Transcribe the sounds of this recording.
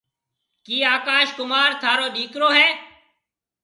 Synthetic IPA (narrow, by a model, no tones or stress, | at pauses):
kiːaːkaːʃkʊmaːɾt̪ʰaːɾoːɗiːkɾoːɦɛː